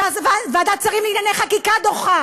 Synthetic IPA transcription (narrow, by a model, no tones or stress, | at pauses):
avavead̪at͡saʁimliɡnanejχakikad̪oχa